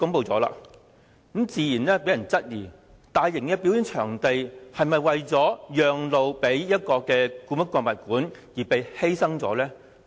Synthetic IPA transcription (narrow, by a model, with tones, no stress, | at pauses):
kʊ˨˥ŋpo˨˧wt͡sɔː˨˥la̰ː˧ | k̩˨˥mt͡siː˧jiː˨˩nɛː˥pe˨˥jɐ˨˩nt͡sɐ˥t̚jiː˨˩ | t̪aː˨˧jːɪ˨˩ŋkɛː˧pi˨˥wjiː˨˥nt͡ʃʰœː˨˩ŋt̪e˨jhɐ˨jmɐ˨jwɐ˨jt͡sɔː˨˥jœː˨ŋlo˨wpe˨˥jjɐ˥t̚kɔː˧kɛː˧kuː˧˥mɐ˥kʷɔː˧nmɐ˨˩t̚kuː˨˥njiː˨˩pe˨˧jhe˥jsɐ˥ŋt͡sɔ̰ː˨˥lɛː˥